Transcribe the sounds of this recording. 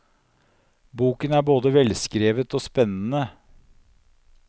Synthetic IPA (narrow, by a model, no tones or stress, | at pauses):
buːkənæːboːd̪əʋɛlskɾeːʋət̪oːspɛnn̩ə